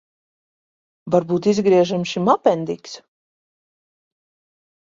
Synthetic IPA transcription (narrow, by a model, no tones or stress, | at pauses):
vaɾbuːt̪izɡɾiɛʒamʃimapɛnd̪iks